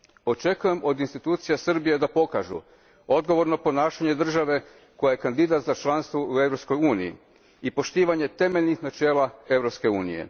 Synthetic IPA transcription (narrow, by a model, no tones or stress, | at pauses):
o̞t͡ʃe̞kuje̞mo̞d̪inst̪it̪uːt̪sijasr̩bije̞d̪apo̞kaʒṵ | o̞d̪ɡo̞ʋo̞ɾnopo̞naːʃaɲe̞d̪r̩ʒaʋe̞ | ko̞jaje̞kand̪id̪at̪zat͡ʃlˠanst̪ʋoue̞vɾo̞psko̞juːnijḭ | ipo̞ʃt̪iːʋaɲe̞t̪e̞meʎnixnat͡ʃe̞ːlˠae̞ʋɾopske̞uːnḭje̞̰